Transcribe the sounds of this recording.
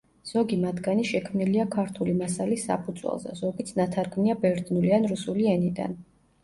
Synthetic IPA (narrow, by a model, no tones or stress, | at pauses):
z̥ɔɡimat̪ʰɡaniʃɛkʰmniliakʰaɾt̪ʰulimasalisːa̰pʰud̪zwɛ̰lˠzɛ̰zɔɡit̪sʰnat̪ʰaɾɡmniabɛɾd̪nulianɾusuliɛnid̪a̰n